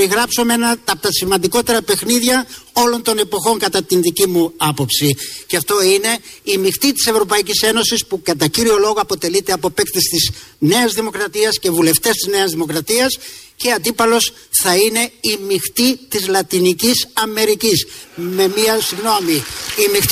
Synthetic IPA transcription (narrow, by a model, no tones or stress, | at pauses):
iɣɾɐpso̞meenɐt̪ɐt̪ɐsimɐnd̪iko̞t̪e̞ɾɐpe̞xniðʝɐo̞lo̞nt̪o̞nepo̞xo̞ŋkɐt̪ɐt̪inðicimuɐpo̞psiceɐft̪o̞ine̞imixt̪it̪i̥se̞vɾo̞pɐicise̞no̞sispukɐt̪ɐciɾio̞lo̞ɣo̞ɐpo̞t̪e̞lit̪e̞ɐpo̞pekt̪est̪izne̞ɐzðimo̞kɾɐt̪iɐsce̞vule̞ft̪e̞st̪izne̞ɐzðimo̞kɾɐt̪iɐsce̞ɐnd̪ipɐlo̞s | θɐine̞imixt̪it̪izlɐt̪inicisɐme̞ɾicisme̞miɐsiɣno̞miimi